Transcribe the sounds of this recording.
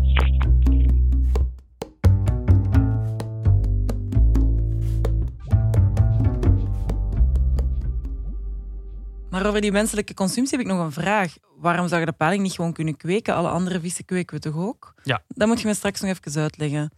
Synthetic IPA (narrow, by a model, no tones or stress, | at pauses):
maːɾoːvərdimɛnsələkəkɔnsʏmpsiɦɛpɪknɔɣənvraːx | ʋaːrɔmzɑwɣədəpaːlɪŋnitxəʋoːnkʏnəkweːkəʔɑ̰lˠə̰ʔɑ̰ndərəvisə̥kweːkwətɔxoːkdɑmutxəmɛstrɑksnɔɣɛfə̥kəs̬œːtlɛɣə